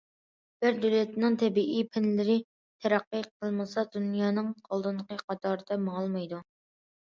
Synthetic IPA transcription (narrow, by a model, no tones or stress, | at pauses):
b̥ɪɾd̪ølɛt̪nɪŋt̪ʰɛbiʔipʰɪnlɪɾɪ | t̪ʰɛɾæqːiqʰəlˠmɨsɑd̪unjɑːnɨŋqʰolˠd̪ɨnqəqʰɑt̪ʰɑːɾɨd̪ɛmɑɑlˠmɑjd̪u